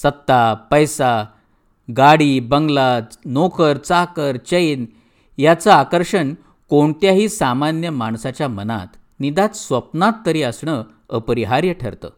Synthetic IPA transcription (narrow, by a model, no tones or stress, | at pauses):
sət̪ːapəjsa | ɡaɽiːbəŋɡlanokʰəɾt͡sakəɾt͡ɕəjn | jat͡saakəɾʂəɳ | koɳt̪jaɦiːsamanjəmaɳsat͡ɕjaməna̰t̪ | nid̪at̪sʋəpnat̪ːəɾiːəsɳə | əpɾiɦaɾjəʈʰə̰ɾt̪ə̰ː